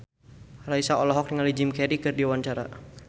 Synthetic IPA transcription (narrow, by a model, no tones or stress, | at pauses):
raisaɔlɔɦɔk̚niŋalid͡ʒimkɛɾikɨrdiwaɲt͡ʃaɾa̰